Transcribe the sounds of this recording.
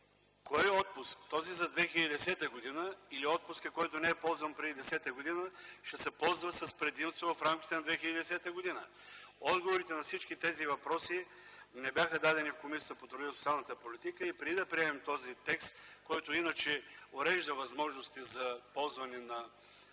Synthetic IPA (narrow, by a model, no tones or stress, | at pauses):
kɔjɔt̪̚pʊskt̪ɔzizɐd̪vɛxʲiləd̪id̪ɛsɛt̪əɡod̪inəiliɔt̪̚pʊskəkɔjt̪onɛːpɔlˠzvɐmpɾɛd̪id̪ɛsɛt̪əɡod̪inəʃɛsɛpɔlˠzvəsɐspɾɛd̪imst̪vovɐfɾamk̟ʲi̥t̪ɛnɐd̪vɛxʲiləd̪id̪ɛsɛt̪əɡod̪inə | ɔd̪ɡovoɾit̪ɛnɐfsit͡ʃkit̪ɛzivɐpɾɔsinɛbʲjaxəd̪ad̪ɛnifkomisi̥t̪əpot̪ɾʊd̪isot̪sʲalˠnət̪əpolit̪ikəipɾɛd̪id̪ɐpɾiɛmɛmt̪ɔzit̪ɛkst̪kɔjt̪ʊinət͡ʃɛoɾɛʒd̪əvɐzmɔʒnost̪izɐpɔlˠzvɐnɛnɐ